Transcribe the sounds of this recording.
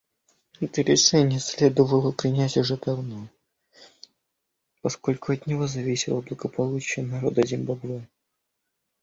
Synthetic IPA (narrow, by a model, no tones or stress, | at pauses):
ɛt̪əɾʲɪʂɛnʲɪjəsʲlʲe̞d̪əvəlˠəpɾʲɪnʲætʲʊʐɛd̪ɐvno | pɐsko̞lʲkʊɐt̪nʲɪvo̞zɐvʲisʲɪlˠəblˠəɡəpɐlˠut͡ɕɪjənɐɾo̞d̪əzʲɪmbɐbvɛ